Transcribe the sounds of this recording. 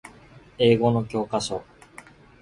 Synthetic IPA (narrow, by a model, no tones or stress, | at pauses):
e̞ːɡo̞no̞kʲo̞ːkaɕo̞